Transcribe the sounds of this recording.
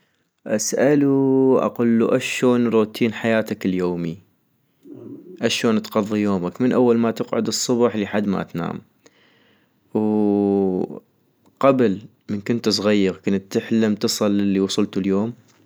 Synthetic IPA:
ʔasʔaluʔa̰qʊlːuʔaʃoːnɾˤuːt̪ʰiːnħajaːt̪akɪljoːmi | ʔaʃoːnt̪ɣɑðˤːijoːmakmɪnʔawːalmat̪ɪqʕʊd̪ɨsˤːʊbħlɪħad̪ːma̰t̪na̰ːm | w | qabl | mɪnkʊnt̪s̬ˤɣajːɑɣkʊnt̪ːɪħlamt̪ɨsˤɑlːɪlːiwɑsˤʊlt̪uljoːm

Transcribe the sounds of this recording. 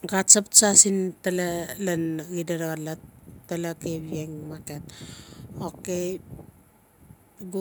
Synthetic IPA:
ɡatsapsasintalalanɡidaɾaɣalattːalakeβieŋmaket̚ | oke | ɡu

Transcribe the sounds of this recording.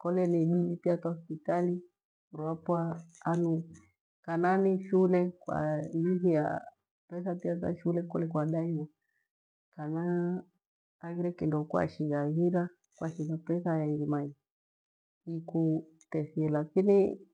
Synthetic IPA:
kɔlɛniɓilipiataɔspitali | uɾwapwaanu | kananiʃulɛkwa̰niɦija̰ | pɛsapiata̰ʃulɛkɔlɛkwaɗaiwa | kana | ɣiɾɛkindɔkwa̰ʃiɣaɣiɾa | kwaʃiɣapɛsajaiɾimai | iku | tɛsiɛlakini

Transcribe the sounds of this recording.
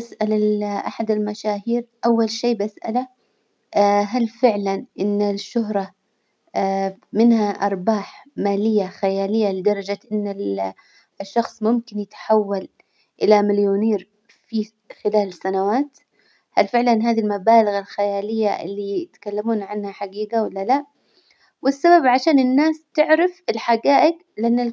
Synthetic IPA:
asʔalalʔa̰ħad̪ɪlmaʃaːɦiːɾʔawːalʃeːbʔasʔa̰la | ɦalfɪʕlanʔɪnːɪʃːʊɦɾˤɑ | mɪnhaʔɑ̰ɾˤbaːħmaːlɪjːaxajaːlɪjːalɪd̪ɑɾˤɑd͡ʒaʔɪnːɪ | ʃːɑxsˤmʊmkɪnjɪt̪ħawːal | ʔɪlamɪljuːniːɾ | fi | xɪlaːlɪsːanawaːt̪ | halfɪʕlanɦaːðilmabaːlaɣalxajaːlɪjːaʔɪ̰lːijɪt̪ḁkalːamuːnʕanhaħaɡiːɡawɪlːala | wɪsːababʕaʃaːnɪnːaːst̪ɪʕɾɪfɪlħaɡaːʔɪɡ | lɪʔanːal

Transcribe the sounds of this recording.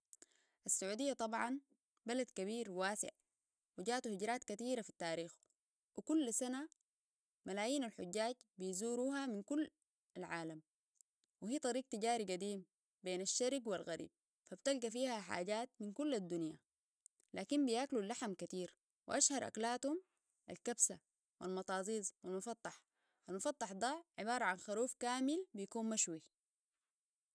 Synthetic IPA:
ʔasːaʕuːd̪ijːat̪ˤɑbʕɑn | balad̪kaβiːɾwaːsɪ̰ʕ | wiɟaːʔt̪uhiɟɾaːt̪kat̪iːɾafit̪ːaːɾiːx | wikulːsana | malaːjiːnalħʊɟːaːɟbijzuːɾuːhaminkulː | alʕaːlam | wihiːt̪ˤɑɾiːɡ̚t̪iɟaːɾiɡad̪iːm | beːnaʃːaɾɡwilɣaɾḭːb̚ | fabt̪alɡafiːhaħa̰ːɟaːt̪̚minkulːad̪ːunja̰ | laːkimbijaːklulːaħamkat̪iːɾ | wḭʔaʃhɑɾˤʔa̰klaːt̪hum | ʔa̰lkabsa | wilmɑt̪ˤɑːzˤiːzˤwilmʊfɑt̪ˤːɑħ | ʔalmʊfɑt̪ˤːɑħd̪aːʕɪbɑːɾˤɑʕanxaɾuːfkaːmilbijakuːnmaʃwi

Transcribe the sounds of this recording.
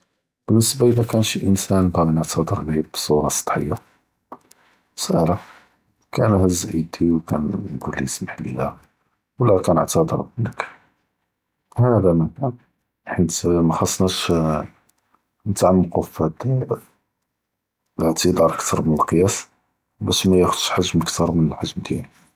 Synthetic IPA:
b̥ənːəsbaʔəlækænʃiʔənsænbæmənəʕt̪ʰɑd̪ˤəɾbib̚bsˤuɾˤɑsˤd̪̥ˤħə̰jːa | məsʔæ̰la | kænuhæzʕid̪iwkænnɡulːiəsməħliha | wlːækænəʕt̪ɑd̪ˤə̰ɾblək | hæd̪æmækæn | ħənt̪mxɑsˤːnæʃ | nət̪ʕlmqofæt̪ | ʕt̪id̪ɑɾˤʔəkt̪ʰɑɾˤmənəlqəjæs | bæʃmæjæxʊd̪ʃħaʒməkt̪ɑɾˤmənəlħaʒmd̪jæn

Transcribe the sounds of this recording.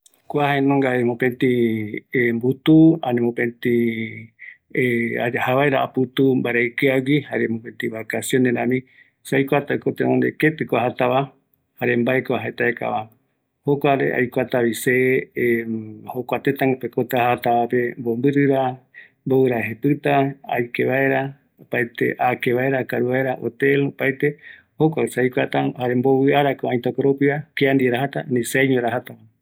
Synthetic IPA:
kʷahaenõŋɡaemõpent̪iembut̪uanẽmõpẽnt̪ĩ | ahaβaeɾaʔaput̪umbaɾaikeaɡihaɾemopent̪iβakasjoneɾãmĩ | sajkʷat̪akot̪eʔõnd̪ḛket̪ɨkʷaɦat̪aβa | haɾembaekoaɦaet̪aeka̰βa | hokʷaɾḛʔa̰jkʷat̪aβise | hokʷat̪et̪aŋɡopekot̪aahat̪aβapembombɨɾɨɾa | mboɨɾaɦepɨt̪aa̰jkeβae̞ɾa | opajt̪ḛʔakeβaeɾakaɾuβaeɾaʔo̰t̪elopajt̪e̞ | hokʷasajkʷat̪ahaɾemboβɨaɾakoãj̃t̪okoɾopiakiand̪ieɾaɦat̪anĩsajɲoɾaɦat̪aβa

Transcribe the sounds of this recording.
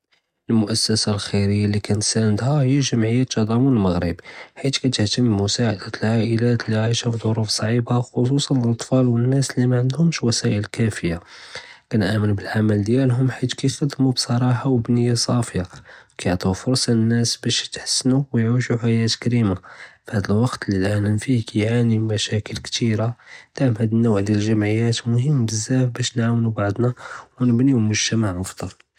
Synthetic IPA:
əlmʊʔæsːæsalxiɾəjːalikænt̪sænəd̪hæhəjːaʒəmʕəjːat̪ːɑd̪ˤɑmunəlməɣɾə̰bħit̪kæt̪əht̪əmːʊsaʕəd̪ælʕaʔəlæt̪lʕiʃafðˤoɾufsˤʕibaxos̬usˤɑnəlʔɑt̪ˤfɑlwənːæslimæʕənd̪hʊmʃwæsæʔəlkæfəjːakænʔæmənbəlʕaməld̪jælɦʊmħit̪kæjxɑd̪ːmubsˤɑɾˤɑħawbnəjːasˤɑfjawkæjʕt̪ˤufʊɾsˤɑnːæsbæʃt̪ħə̥sːnuwjʕuʒuħajæt̪kɾimafhæd̪əlwɑqt̪lilʔænənfikæjʕanimæʃækəlkt̪iɾad̪̥aʕmhæd̪ənːowʕd̪jælʒæmʕəjæt̪mʊɦəmːbəzːæfbæʃnʕawnubaʕd̪ˤnawnəbnilmʊʒt̪æmaʕʔɑfd̪̥ˤɑl

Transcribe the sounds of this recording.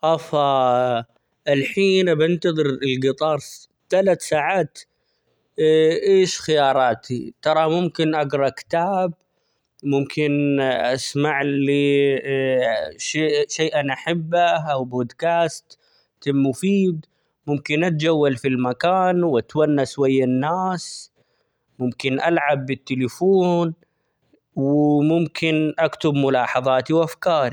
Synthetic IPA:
ʔɑfɑ | ʔɪlħiːnabɪnt̪ɑðˤɨɾɪlɡɨt̪ˤɑːɾˤ | t̪alat̪saːʕaːt̪ | ʔeːʃxɪjɑːɾˤɑːt̪ʰḭt̪ɑɾˤɑmʊmkɪnʔaɡɾˤɑkɪ̥t̪aːb̚ | mʊmkʰɪnʔa̰smaʕli | ʃeːʃaːʔanʔaħɪbːaʔawboːd̪kaːst̪ː | ɪmːʊfiːd̪ | mʊmkɪnʔat̪̚d͡ʒawːalfilmakaːnwʔat̪wanːaʃwajːanːaːs | mʊmkɪnʔalʕabːɪt̪ːɪlɪfoːn | wɪmʊmkʰɪnʔakt̪ʊbmʊlɑːħɑðˤɑːt̪iwʔafkɑːɾˤi

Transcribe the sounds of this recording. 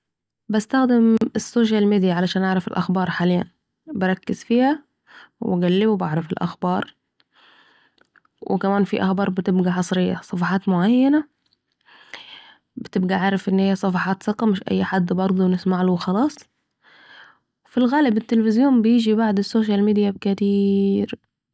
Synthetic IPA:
bast̪axd̪ɪmɪsːoːʃ̬almiːd̪ijaʕalaʃaːnʔaʕɾˤɑfɪlʔaxbɑːɾˤħaːlɪjːa̰n | bɪɑɾˤɑkːɪzfiːha | wɪɡalːɪbubaʕɾˤɑfɪlʔa̰xbɑːɾˤ | wɪ̰kamaːnfiʔaxbɑːɾˤbɪt̪ɪbɡaħɑsˤɾɪjːa̰sˤɑfɑħɑːt̪mʊʕajːana | bɪt̪ɪb̚ɡaʕaːɾˤɑfʔɪnːhijːæsˤɑfɑħɑːt̪sɨqɑmɪʃʔæ̰jːħad̪ːbɑɾˤd̪ˤunɪsmaʕlʊxɑlɑːsˤ | filɣaːlɪbɪt̪ːɪlefɪzjoːmbɪjɪːd͡ʒibaʕd̪ɪsːoːʃ̬almiːd̪ijabkɪt̪iːɾ

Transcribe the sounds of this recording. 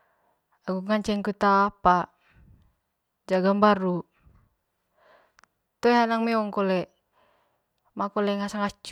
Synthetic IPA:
aɡuŋant͡ʃɛŋkut̪aːpa | d͡ʒaɡambaɾu | t̪oɛɦanaŋmɛɔŋkolɛ | makolɛŋasaŋat͡ʃ

